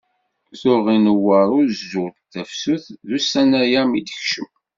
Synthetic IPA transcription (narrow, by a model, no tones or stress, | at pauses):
θʊʁinəwːəɾˤʊɾzzʊʁt̪ːæfsuθðusænæjæmid̪əçʃəm